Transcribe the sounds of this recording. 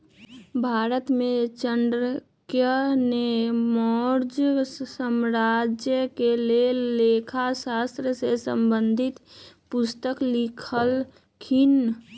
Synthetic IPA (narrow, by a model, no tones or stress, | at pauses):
bʱaːɾət̪mẽt͡ʃənɖɾ | kjənemɔɾd͡ʒəsəmɾad͡ʒjəkeleleːkʰasast̪ɾəsesə̰mbənd̪ʱit̪pʊst̪əklikʰəl | kʰin